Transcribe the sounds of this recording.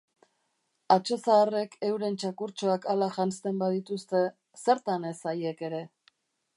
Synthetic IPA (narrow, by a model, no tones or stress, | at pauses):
at͡ʃo̞saːre̞ke̞wɾe̞nt͡ʃakuɾt͡ʃo̞akalaʝanst̪e̞mbað̞it̪ust̪e̞ | se̞ɾt̪ane̞saje̞ke̞ɾe̞